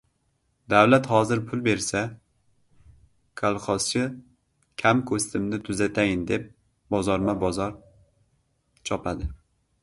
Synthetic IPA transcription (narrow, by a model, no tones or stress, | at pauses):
d̪awlat̪hɒzɪɾpʰʊlˠbe̞ɾsa | kʰalˠχɒst͡ʃɪ | kʲʰamkʰost̪ʰɪmnɪt̪ʰʊzat̪ʰajɪnd̪e̞p̚ | bɒzɒɾmabɒzɒɾ | t͡ʃʰɒpʰad̪ɪ